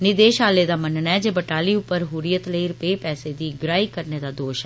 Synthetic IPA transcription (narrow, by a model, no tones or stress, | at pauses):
nɪd̪eːʃɦaːleːd̪aːmənənɛːd͡ʒeːbəʈaːliːʊpːəɾɦuːɾɪjət̪ləiːɾʊpeːpɛːseːd̪iːɡɾaːiːkəɾneːd̪aːd̪oːʃɛː